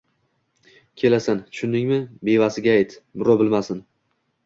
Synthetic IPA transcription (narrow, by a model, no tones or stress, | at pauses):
kʲʰe̞lasanʃʰʊnːɪŋmɪbe̞vasɪɡʲaːjt̪bʊɾɒbɪlmasɪn